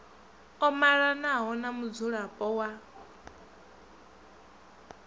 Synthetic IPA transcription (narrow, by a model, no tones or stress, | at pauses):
ɔmaɺanaɦɔnamud͡zuɺapʼɔwa